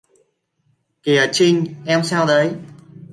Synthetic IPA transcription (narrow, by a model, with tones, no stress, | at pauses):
ke˨˩əː˨˩t͡ɕï˧ŋ̟ʔɛ˧msaː˧wɗə˨˦j